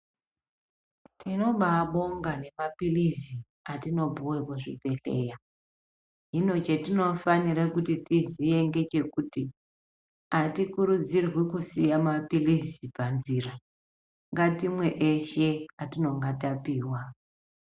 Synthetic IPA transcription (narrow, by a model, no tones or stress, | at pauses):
tino̞ɓaɓo̞ŋɡane̞mapilizi | atino̞bʱuwekwaʐḭpe̞ɬe̞̰ja | ɦino̞t͡ʃe̞tino̞faniɾakutitizije̞ŋɡe̞t͡ʃe̞kuti | atikuɾud͡zirwikusijamapilizipanziːra | ɦŋɡatimwe̞ʔeʃe̞atino̞ŋɡatapiːwa